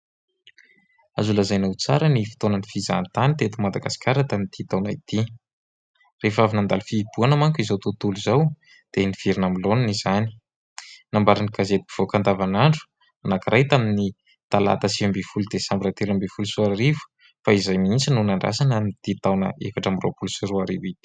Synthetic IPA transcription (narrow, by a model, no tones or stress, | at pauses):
azulazajnawt͡sa̰ɾənifi̥t̪onənifiza̰nit̪anit̪et̪umad̪aɡasi̥kaɾat̪anit̪it̪awnait̪i | refavinand̪alfib̥uanamaŋkizawt̪ut̪ulizaw | d̪̥eniv̥iɾinamilonanizani̥ | nambaɾinikazet̪i̥i̥v̥okand̪avanaɳɖ͡ʐu̥ | anakirajt̪amini | t̪ala̰t̪asiambefulud̪esambiɾat̪elambefulusuaɾaɾivu̥ | faizajmiint͡sinunaɳɖ͡ʐa̰sanənit̪it̪awnə̰efaʈ͡ʂamro̰pulsiɾuaɾivit̪i̥